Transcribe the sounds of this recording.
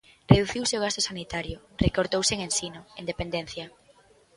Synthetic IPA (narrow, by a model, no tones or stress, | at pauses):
reðuθiwseoɣ̞ast̪osanit̪aɾjʊ | rekoɾt̪owseŋẽnsinoend̪epend̪en̟θjɐ